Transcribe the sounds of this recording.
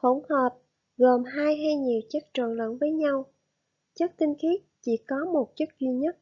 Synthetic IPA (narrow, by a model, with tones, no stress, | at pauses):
o˧˩ŋ͡mhəː˨˩p̚ | ɣo˨˩mɦaː˧jɦa˧jɲi˨˩əwt͡ɕə˦˥k̚t͡ɕə̰˧˩nlə̰˧˨nvəː˨˦jɲa˧w | t͡ɕə˦˥k̚t̪ï˧ŋ̟xi˦˥t̚t͡ɕḭ˧˩kɔ˨˦mo˨˩t̚t͡ɕə˦˥t̚zwi˧ɲə˦˥t̚